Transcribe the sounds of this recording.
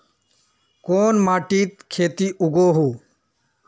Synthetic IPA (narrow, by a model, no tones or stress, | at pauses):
koːnmaːʈiːt̪̚kʰeːt̪iːʔʊɡoːɦuː